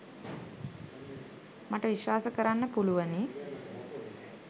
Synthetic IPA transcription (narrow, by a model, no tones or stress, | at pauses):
maʈəʋiʃʋaːsəkəɾanːəpuluʋəni